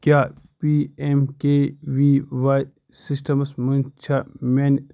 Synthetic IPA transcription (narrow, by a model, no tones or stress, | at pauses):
kjaːpiemkeʋiʋaj | sisʈɐmɐsmunt͡ʃʰɐmen